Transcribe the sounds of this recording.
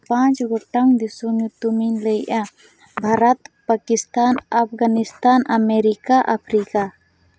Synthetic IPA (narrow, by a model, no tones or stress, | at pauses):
pãt͡ʃɡɔʈaŋd̪isɔɲut̪uminləjʔa | bʱaɾat̪pakist̪anapʰɡanist̪anameɾikaʔapʰɾika